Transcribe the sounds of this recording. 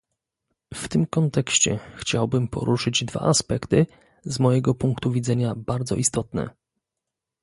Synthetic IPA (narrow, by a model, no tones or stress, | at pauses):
ft̪ɘmkɔnt̪ɛkɕt͡ɕɛxt͡ɕawbɘmpɔ̰ɾʔuʂɘd͡ʑd̪va̰ʔaspɛkt̪ɘ | zmɔjɛɡɔpuŋkt̪uvʲid̪zɛɲabaɾd̪zɔ̰ʔist̪ɔt̪nɛ̰